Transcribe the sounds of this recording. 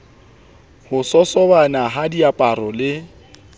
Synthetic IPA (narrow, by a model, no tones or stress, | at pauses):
hʊsɔsɔbanaɦadiapʼarɔlɪ